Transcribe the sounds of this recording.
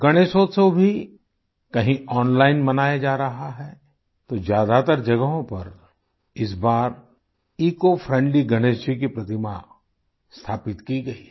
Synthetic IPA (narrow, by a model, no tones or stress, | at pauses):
ɡɐɽ̃eːʃoːt̪sobʱi | kɐɦĩɔːnlaːɪnmɐnaːjad͡ʒaːɾɐɦaɦɛː | t̪ozjaːd̪at̪əɾd͡ʒɐɡəɦõpɐɾ | ɪsbaːɾ | iːkofʰɾɛ̃ɳɖliɡɐɽ̃eːsik̬ipɾɐt̪ɪma | st̪ʰaːpɪt̪kiɡɐi